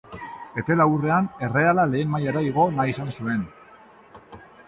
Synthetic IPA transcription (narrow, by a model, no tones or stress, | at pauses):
e̞t̪e̞laure̞ane̞re̞alale̞ːnmajaɾaiɣ̞o̞naisansue̞n